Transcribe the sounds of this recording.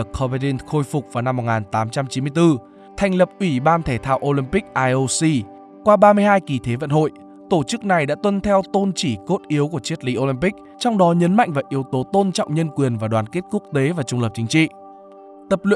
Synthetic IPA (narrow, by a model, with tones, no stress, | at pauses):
kʰɔ˧va˧ɗi˧nxo˧jfʊ˨˩k͡p̚vaː˨˩wna˧mː˨˩t̚ŋaː˨˩nt̪aː˨˦mt͡ɕa˧mt͡ɕi˨˦mɨ˧əjt̪ɨ˧ | t̪ʰa˨˩jŋ̟lə˨˩p̚ʔwi˧˩ɓaː˧nt̪ʰe˧˩t̪ʰaː˧wʔo˧li˧mpi˦˥k̚ʔaː˧jʔo˧si˧ | kwaː˧ɓaː˧mɨ˧əhɦaː˧jki˨˩t̪ʰe˨˦və̰˧˨nho̰˧˨j | t̪o˧˩t͡ɕɨ˦˥k̚na˨˩jɗa̰ː˧˥t̪wə˧nt̪ʰɛ˧wt̪o˧nt͡ɕi˧˩ko˦˥t̚ʔi˨˦ə˦wku˧˩ət͡ɕi˦˥ət̚li˨˦ʔo˧li˧mpï˦˥k̚ | t͡ɕɔ˧wŋ͡mɗɔ˨˦ɲə˨˦nma̰˧˨jŋ̟vaː˨˩ʔi˨˦əwt̪o˨˦t̪o˧nt͡ɕɔ̰˧˨wŋ͡mɲə˧nkwi˨˩ənvaː˨˩ɗwaː˨˩nke˦˥t̚ku˦˥ək̚t̪e˨˦vaː˨˩t͡ɕʊ˧ŋ͡mləː˨˩p̚t͡ɕï˨˦ŋ̟t͡ɕḭ˧˨ | t̪ə˨˩p̚lḭ˧˨